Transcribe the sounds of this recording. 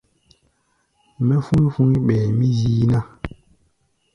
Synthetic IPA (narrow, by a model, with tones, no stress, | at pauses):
mɛ˦fu˦fu˦ŋ˦ɓɛ˨mi˦ziː˦na˦